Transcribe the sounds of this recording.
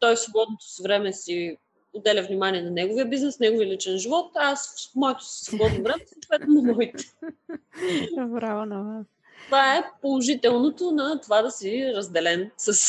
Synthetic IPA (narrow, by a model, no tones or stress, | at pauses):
t̪ɔjfsvobɔd̪not̪o̥svɾɛmɛsi | od̪ɛlʲəvnʲimaniɛnɐnɛɡovijəbiznɛsnɛɡoviəlit͡ʃɛnʒivɔt̪assmɔɛt̪o̥si̥svobɔd̪novɾɛmɛsoːt̪vɛt̪nonomɔit̪ɛ̥ | ɾavonɐva | tt̪ovaɛpolˠoʒit̪ɛlˠnot̪onɐt̪ovad̪ɐsiɾɐzd̪ɛlɛnsɐs